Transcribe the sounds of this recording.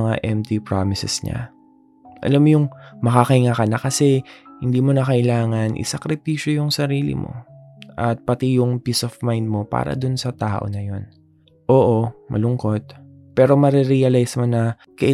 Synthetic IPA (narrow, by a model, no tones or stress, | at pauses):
ɐŋa̰ʔɛmt̪ipɹamɪsɛsɲa̰ | ʔɐ̰lamːojʊŋmɐkakɐɪŋakɐnɐkɐsɛhɪnd̪iːmo̞nɐkɐʔɪlaːŋɐnʔɪ̰sɐkɾɪpiːʃjojʊŋsɐɾiːlɪ̰mo̰ | ʔɐt̪̚pɐt̪ijʊŋpiːsofmajnd̪̚mo̞pa̰ːɾɐ̰d̪ʊnsɐt̪aːʔo̞̰nɐjo̞n | ʔo̞ːʔomʔɐ̰lʊŋko̞t̪̚ | pɛːɾo̞mɐɾɛɾiɐlajsmonɐ | kɐʔɪ